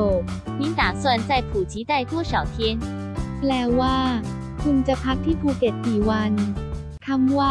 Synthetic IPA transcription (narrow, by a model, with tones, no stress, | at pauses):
o˨˩pʰi˧˥ŋt̪aː˨˩swa˥˧nt͡sa˥˩jpʰu˨˩t͡ɕʰi˧˥t̪a˥˩ɪt̪wɔ˥˩sɑ˨˩wt̪ʰjɛ˥n | plɛː˧˩waː˥˩ | kʰu˧ŋt͡ɕa˨˩pʰa˦˥k̚t̪ʰiː˥˩pʰuː˧ke˨˩t̪̚kiː˨˩wa˧n | k̪ʰa˧˥mwaː˥˩